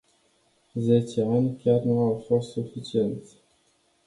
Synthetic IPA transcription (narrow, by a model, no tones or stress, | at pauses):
zet͡ʃeanʲkʲarnuawfo̞st̪sufit͡ʃie̞nt̪sʲ